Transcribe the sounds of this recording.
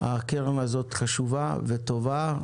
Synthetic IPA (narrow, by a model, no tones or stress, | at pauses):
a̰keʁonazo̞t̪χaʃuvavet̪o̞va